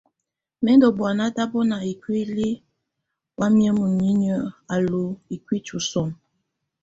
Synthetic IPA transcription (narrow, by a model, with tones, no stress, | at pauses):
mɛ˦ndɔ˨bwa˨na˦da˦bɔ˦na˨i˨kwi˦li˦ | wa˦mjə˦mə˨ɲi˦ɲə˦a˨lo˨i˨kwi˦t͡ʃu˨sɔ˨n